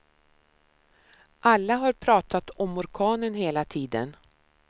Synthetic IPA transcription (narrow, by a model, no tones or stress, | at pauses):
ʔalːaɦaɾpʰɾɑːt̪at̪ɔmːʊɾkʰɑːnənɦeːlat̪ʰiːd̪ə̰n